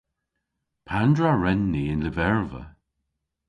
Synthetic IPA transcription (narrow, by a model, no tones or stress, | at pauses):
pʰandɹaɹɛnːiɪnləvɛɹvə̰